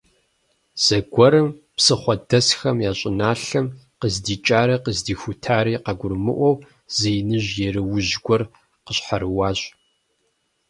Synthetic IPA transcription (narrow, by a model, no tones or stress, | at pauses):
z̥ɐɡʷɔɾɨm | psɨχʷɔdɐsxɐmjaːɕʼɪnaːɬɐmqəzdiːt͡ʃʼaːɾɐqəzdiːxʷʊtʰaːɾiːqɐɡʷʊrmɨ̰ʔʷɔw | z̥ejnɨʑjɛɾɨwʊʑɡʷɔr | qəɕħaɾɨwaːɕʼ